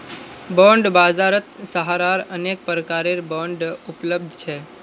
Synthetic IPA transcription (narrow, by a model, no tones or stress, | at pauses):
bɔ̃ɳɖbazaɾət̪səɦaɾaɾənek̚pəɾəkaɾeɾbɔ̃ɳɖʊpləb̚d̪ʱt͡ʃʰe